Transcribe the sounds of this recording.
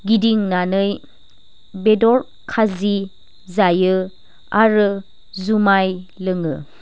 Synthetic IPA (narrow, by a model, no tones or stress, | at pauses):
ɡidiŋnanɯj | bedɔɾ | kʰazi | zajɯ | aɾɯ | zumajlɯŋɯ